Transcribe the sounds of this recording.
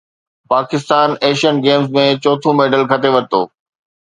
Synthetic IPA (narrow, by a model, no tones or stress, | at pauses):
paːkɪst̪aːneːʃənɡeːmzmẽt͡ɕɔːt̪ʰũmeːɖəlkʰɐt̪ʰeʋɐɾt̪o̰ː